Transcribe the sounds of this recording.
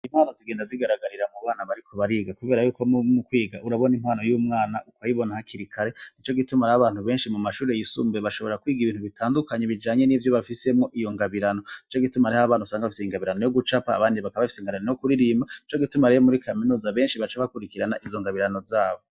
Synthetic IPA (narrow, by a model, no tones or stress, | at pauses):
im̥haːnoziɡe̞ːndaziɡaɾaɡaɾiɾamuβaːnaβaɾikʰo̞βaɾiːɡakuβe̞ːɾajuːko̞mukwiːɡaʔuɾaβo̞nimhwaːno̞juːmŋaːnaʔukajiβo̞nahakiɾikʰaɾe̞nit͡ʃo̞ɡitumaɾaaβaːn̥huβe̞ːnʃimumaʃuːɾe̞jisṵmbeβaʃo̞βoɾakwiːɡiβiːnhuβitʰaːndukaɲeβid͡ʒaːɲe̞nivjoβafise̞mŋo̞ʔijo̞ŋɡaβiɾano̞nit͡ʃoɡitumaɾehaβaːnhusaːŋɡaβafiseiŋɡaβiɾano̞jo̞ɡut͡ʃapa̰ːβaːndiβakaβafiseiŋɡaβiɾanojokuɾiɾiːmbait͡ʃo̞ɡitumaɾejemuɾikʰaminuːzaβe̞ːnʃiβat͡ʃeaβakuɾikiɾanaʔizo̞ŋɡaβiɾano̞zaːβo